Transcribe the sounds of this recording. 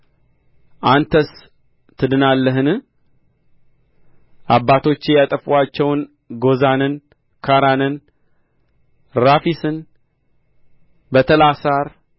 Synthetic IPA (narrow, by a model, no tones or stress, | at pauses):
ʔant̪ʰəs | t̪ʰːɨd̪ɨnalːəɦɨnɨ | ʔabːat̪ʰo̞t͡ʃːɪjat̪ʼəfuat͡ʃːɛwn | ɡo̞zanɨn | kʰaɾanɨn | ɾafisɨn | bət̪ʰəlasaɾ